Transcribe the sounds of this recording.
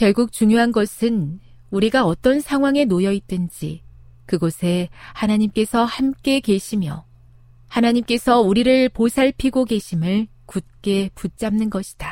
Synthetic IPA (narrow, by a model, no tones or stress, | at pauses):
kjʌɭɡuk̚t͡ɕuŋjoɦanɡʌsʰɯn | uɾiɡaʌt͈ʌnsʰaŋɦwaŋe̞nojʌit̚t͈ɯnd͡ʑḭkɯɡosʰe̞hanaɲimk͈e̞sʰʌhamk͈e̞ke̞ɕʰimjʌ̰ | hanaɲimk͈e̞sʰʌuɾiɾɯɭposʰaɭpʰiɡoɡe̞ɕʰimɯɭ | kut̚k͈e̞put͡ɕ͈amnɯnɡʌɕʰi̥d̥a